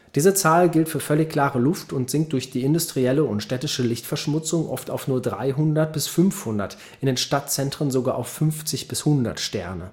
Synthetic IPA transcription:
d̥iːzət͡saːlɡɪltfyːɐfœlɪçkl̥aːʁəlʊftʊntz̥ɪŋkt̚d̥ʊɐçd̥iːɪndʊstʁ̥iɛləʊntʃtɛtɪʃəlɪçtfɛɐʃmʊt͡sʊŋʔɔ̰fta̰ʊfnuːɐdʁa̰ɪɦʊndɐt̚b̥ɪsfʏnfhʊndɐ̰t | ʔʔɪndeːnʃtatt͡sɛntʁ̥ənzoɡaːʔaʊfːʏnft͡sɪçb̥ɪshʊndɐ̰tʃtɛ̰ɐnə̰

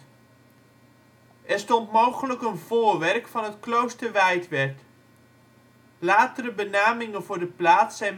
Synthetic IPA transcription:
ʔɛɹstɔntmowχələkənvʊːɹʋɛɹkfɑnətklowstəɹʋɛjtʋɛɹt | laːtəɾəbənaːmɪŋənvʊːɹdəplaːtsɛjn

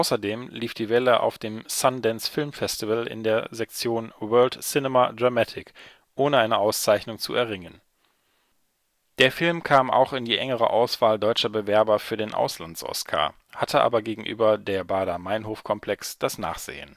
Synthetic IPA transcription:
ʔaʊsɐdeːmliːfd̥iːvɛləʔa̰ʊfd̥eːmsandɛnsfɪlmfɛstivəlɪ̰ndeːɐzɛk̚t͡sjoːnwɜɐltsɪnɛmadʁamatʰɪk | ʔoːnəaɪnəʔaʊst͡saɪçnʊŋt͡sṵɛɐʁɪŋən | d̥eːɐfɪlmkʰaːmʔa̰ʊxɪndiːʔɛŋəʁə̰ʔa̰ʊsv̥aːldɔʏt͡ʃɐbəvɛɐbɐfyːɐdeːnʔa̰ʊslant͡sʔɔ̰skʰa̰ː | hatʰəʔa̰ːbɐɡeːɡŋ̩ʔy̰ːbɐdeːɐbaːdɐmaɪnɦoːfkʰɔmpʰl̥ɛksd̥asna̰ːχz̥ḛːə̰n

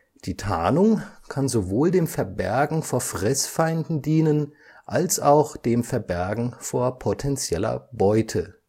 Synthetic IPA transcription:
d̥iːtʰa̰ːnʊŋkʰanzovoːldeːmfɛɐbɛɐɡŋ̩foːɐfʁ̥ɛsfaɪndn̩diːnən | ʔalsaʊxd̥eːmfɛɐbɛɐɡŋ̩foːɐpʰotʰɛnt͡sjɛlɐ̰bɔʏtʰə

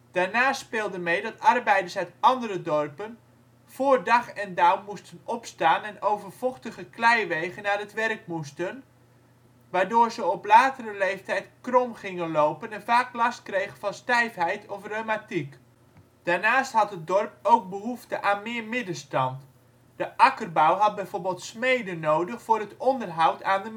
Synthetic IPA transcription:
d̥aːɹnaːstspeːlˠdəmejdɑtɑrbɛjdəɹsœɥtɑndərədɔrpən | v̥oːrdɑχɛndawmustənɔpstaːnɛnowvərv̥ɔχtəχəklɛjʋejχənːaːɹətʋɛrk̚mustən | ʋaːɹdoːɹzəɔplaːtərəlejftɛjtkrɔmχɪŋənlowpənɛnvaːklɑst̚krejχənvɑnstɛjfɦɛjtɔfromatik | d̥aːɹnaːstɦɑtɦət̚dɔrp̚owk̚bəɦuftəʔaːnmɪːɹmɪdəstɑnt | d̥əʔɑkərbawɦɑt̚bɛjvoːɹbɪːlˠtsmejdənowdəχfʊːrətɔndərɦɑwtʰaːndə

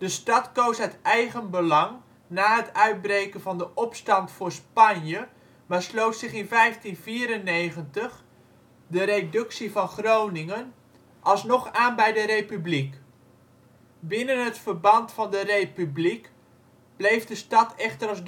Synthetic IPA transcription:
dəstɑtkowsɦətɛjχənbəlɑŋ | naːɦətœɥd̚brejkənvɑndəʔɔpstɑntfʊːɹspɑnjə | maːslowtsɪχɪnvɛjftinviːɾənejχəntəχ | dəɾejdɵksivɑnχrownɪŋən | ʔɑlˠsnɔχaːnbɛjdərejpyblik | bɪnənɦətfərbɑntfɑndərejpyblik | b̥lejfdəstɑtʰɛχtərɑzd

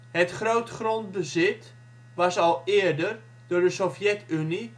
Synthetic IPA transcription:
ɦətχrowtχront̚bəzɪt | ʋɑsɑlˠɪːrdər | d̥ʊːɹdəsofjɛtyni

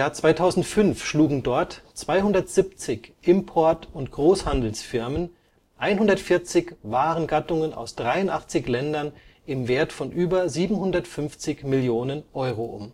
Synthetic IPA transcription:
ɪjaːɐt͡sv̥aɪtʰaʊzn̩tfʏnfʃluːɡŋ̩dɔɐtt͡sv̥aɪhʊndɐtz̥ɪp̚t͡sɪçʔɪmpʰɔɐtʊntɡ̥ʁoːshandl̩sfɪɐmən | ʔaɪnhʊndɐtfɪɐt͡sɪçvaːʁənɡatʊŋəna̰ʊsd̥ʁaɪʊntʔa̰χt͡sɪçlɛndɐnʔɪmveːɐtfɔnʔyːbɐziːbm̩hʊndɐtfʏnft͡sɪçmɪljoːnənʔɔʏʁoʔʊ̰m

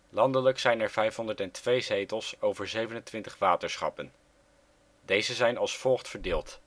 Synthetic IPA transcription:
lɑndələksɛjnɛɹvɛjfɦɔndəɹtɛntʋejzejtəlˠsowvəɹzejvənəntʋɪntə̥χʋaːtəɹsχɑ̰pən | dejzəzɛjnɑlˠsfɔlˠχtfəɹdɪːlˠt

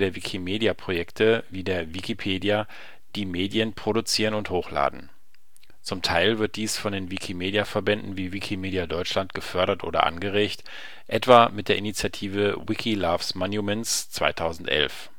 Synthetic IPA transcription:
deːɐvikʰimeːdjapʁ̥ojɛktʰəviːdeːɐvikipʰeːdja | d̥iːmeːdjənpʁ̥oɾut͡siːʁə̃nʊnthoːxla̰ːdn̩ | t͡sʊmtʰaɪlvɪɐt̚d̥iːsfɔndeːnvikʰimeːdjafɛɐbɛndn̩viːvikʰimeːdjadɔʏt͡ʃʃlantɡ̥əfœɐɾɐtʔo̰ːɾɐ̰ʔa̰nɡəʁeːçt | ʔɛtv̥aːmɪt̚d̥eːɐʔinit͡sjatʰiːvəwɪkʰilaːfsmanjumɛnst͡sv̥a̰ɪtʰaʊzn̩tʔɛ̰lf

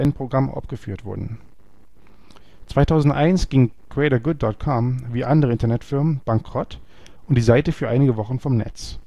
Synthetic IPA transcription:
ɛnpʁ̥oɡʁamʔa̰ʊfɡ̥əfyːɐtv̥ʊ̰ɐdn̩ | t͡sv̥aɪtʰaʊzn̩tʔaɪnsɡ̥ɪŋkʁɛɪɾɐɡʊt̚d̥ɔt̚kʰɔmviːʔandəʁəɪntɐnɛtfɪɐmənb̥aŋkʁ̥ɔt | ʊnt̚d̥iːzaɪtəfyːɐʔaɪnɪɡəvɔχn̩fɔmnɛ̰t͡s

